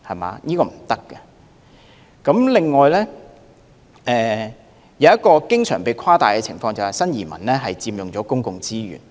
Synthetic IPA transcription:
hɐ˨ma̰ː˨˦jiː˥kɔː˧m̩˨˩t̪ɐ˥kːɐ˧ | kɐ˨˥mlɪ˨ŋːɔː˨jlɛː˥ | ʔɛː˨˧ | jɐ˨˧wjɐ˥t̚kɔː˧kɪ˥ŋsœː˨˩ŋpe˨˧jkʰaː˥t̪aː˨jkɛː˧t͡sʰɪ̰˨˩ŋfɔː˧ŋt͡sɐ˨whɐ˨˩jsɐ˥njiː˨˩mɐ̰˨˩nlɛː˥ɦɐ˨jt͡siː˧mjʊ˨ŋt͡sɔː˨˥kʊ˥ŋkʊ˨ŋt͡siː˥ɥy̰ː˨˩n

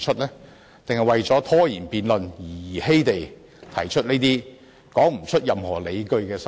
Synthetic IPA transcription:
t͡ʃʰɵ˥t̚lɛː˥ | t̪e˨ŋhɐ˨jwɐ˨jt͡sɔː˨˥t̪ʰɔː˥jiː˨˩npiː˨nlɵ˨njiː˨˩jiː˨˩he˥jt̪e˨j | t̪ʰɐ˨˩jt͡ʃʰɵ˥t̚neː˥t̪iː˥ | kɔː˨˥ŋm̩˨˩t͡ʃʰɵ˥t̚jɐ˨mhɔː˨˩le˨˧jkɵ˧ɥkɛː˧s

